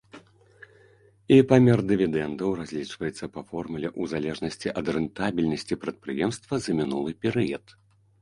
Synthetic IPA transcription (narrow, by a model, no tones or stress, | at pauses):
ipamʲɛrd̪ɨvʲid̪ɛnd̪ɐwrazʲlʲit͡ʂvɐjɛt̪sːɐpɐfɔrmulʲɛʔuzalʲɛʐnɐsʲt͡sʲiʔɐd̪rɨnt̪abʲilʲnɐsʲt͡sʲipɾɐt̪̚pɾɨjɛmst̪vɐzɐmʲinulˠɨpʲɛɾɨjɐt̪